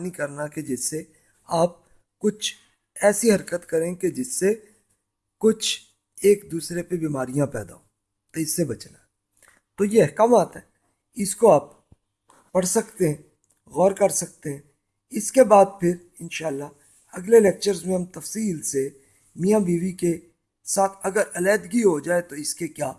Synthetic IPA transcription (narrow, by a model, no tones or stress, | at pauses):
nikɐɾnaked͡ʒɪsːe | aːp̚ | kʊt͡ʃʰ | ɛːsiɦɐɾkət̪kɐɾẽːked͡ʒɪsːe | kʊt͡ʃʰ | eːkd̪uːsɾepebiːmaːɾijãpɛ̰ːd̪a̰oː | t̪oɪsːebɐt͡ʃnaɛ | t̪oːjeɛɦkaːmaːt̪ɦɛː | ɪskoaːp̚ː | ɐɽ̤sɐkt̪eɦɛ̃ː | ɣɔːɾkɐɾsɐk̚t̪eɦɛ̃ | ɪskebaːd̪̚pʰɪɾ | ɪnʃaːlːa | ɐɡleleːk̚t͡ʃəɾzmẽɦɐmt̪ɐfsiːlse | mijãbiːʋike | saːt̪ʰɐɡəɾɐlɛːd̪ɡiɦod͡ʒaːet̪oɪskekjaː